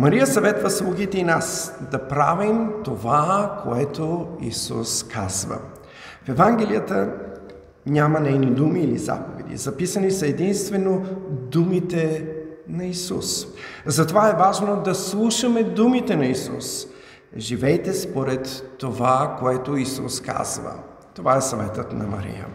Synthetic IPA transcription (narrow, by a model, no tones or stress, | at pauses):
mɐɾijəsɐvɛt̪vəslˠuɡit̪ɛinasd̪ɐpɾavimt̪ovakʰo̰ɛt̪oḭsṵskʰa̰z̥və̰ | fɛvaŋɡɛlijət̪ə | ɲʲamɐnɛjnid̪umiːlḭza̰povɛ̰d̪ḭzɐpisɐnisɐɛd̪inst̪vɛnod̪umit̪ɛ | nɐisṵszɐt̪ovaɛvaʒnod̪ɐslˠuʃəmɛd̪umit̪ɛnɐisṵs | ʒivɛjt̪ɛspoɾɛt̪ːovakoɛt̪oisṵska̰zvə̰ | t̪ovaɛsɐvɛt̪ət̪nɐ̰mɐ̰ɾḭjə̰